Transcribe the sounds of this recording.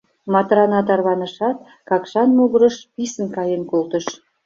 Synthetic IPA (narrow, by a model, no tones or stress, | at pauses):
mɑt̪rɑnɑt̪ɑrβɑnə̆ʃɑt̪̚ | kɑkʃɑnmoɣəɾə̆ʃpisənkɑjenkolt̪ə̆ʃ